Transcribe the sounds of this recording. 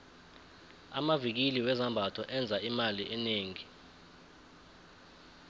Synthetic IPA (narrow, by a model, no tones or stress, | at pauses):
a̰mavik̬iliwɛzambʱatʰɔʔɛnd͡zʱaimaliʔɛneːŋi